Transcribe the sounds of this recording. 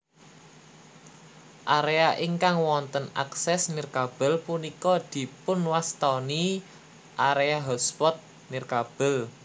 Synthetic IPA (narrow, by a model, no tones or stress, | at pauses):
ʔaɾeaʔiŋkaŋwɔnt̪əna̰ksɛsnirkab̥ə̤lpunikɔd̪̥i̤pʊnwast̪ɔni | ʔaɾeaɦɔt̪spɔt̪̚ | nirkab̥ə̤l